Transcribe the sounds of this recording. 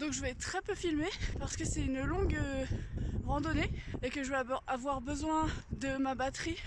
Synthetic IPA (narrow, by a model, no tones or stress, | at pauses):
d̪ɔ̃kʒəvɛt̪ːχɛpøfilmepaʁsə̥kəsɛynlɔ̃ɡə | ʁɑ̃d̪ɔneekəʒəvɛavwaʁbəzwɛ̃d̪əmabat̪χi